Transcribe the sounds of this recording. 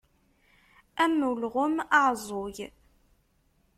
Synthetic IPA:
æmulʁʊmɑʕzˤoj

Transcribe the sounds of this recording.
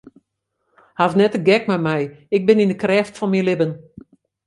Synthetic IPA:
hafnɛtəɡɛkmɛmɛjɪk̚bɪnindəkrɛːftfɔnmilɪbən

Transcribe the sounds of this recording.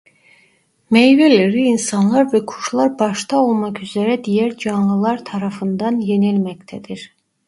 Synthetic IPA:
mejvelʲeɾiːnsɑnlˠɑɾvɛkʰu̥ʃlˠaɾbɑʃt̪ʰaolˠmɑkyzeɾɛd̪ijæɾd͡ʒɑnlˠɯlˠɑɾt̪ʰɑɾɑfɯnd̪ɑnjenilʲmɛct̪ʰɛd̪iɾ̥

